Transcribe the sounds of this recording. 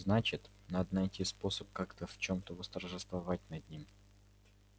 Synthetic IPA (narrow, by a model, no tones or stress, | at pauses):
znat͡ɕɪt̪ | nad̪ənɐjtʲispo̞səp̚kakt̪əft͡ɕo̞mt̪əvəst̪ərʐɨst̪vɐvat̚ʲnɐd̪ʲnʲim